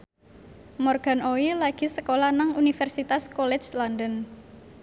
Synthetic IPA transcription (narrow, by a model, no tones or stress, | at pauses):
mɔrɡ̥a̤nʔoilaɡ̥i̤səkolanaŋunifɛrsit̪askɔlɛ̥d͡ʒlɔndən